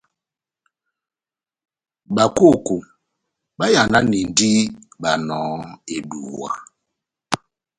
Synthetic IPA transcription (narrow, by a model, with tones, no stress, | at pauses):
ɓa˨ko˦˨ko˨ | ɓa˦ja˨na˦ni˨n̩˨˦di˦ɓa˨nɔː˨˦e˨bu˨wɔ̰˨